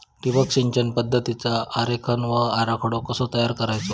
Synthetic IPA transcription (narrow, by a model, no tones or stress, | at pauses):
ʈiʋəksiɲd͡ʑənpəd̪ʱːət̪it͡saːɾekʰənʋəaɾakʰɽokəsot̪əjaɾkəɾajt͡so